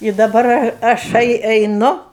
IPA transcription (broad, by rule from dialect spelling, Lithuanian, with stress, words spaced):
ɪ dɐˈbɐr ɐ ɐˈʃɐɪ ɛɪˈnʊ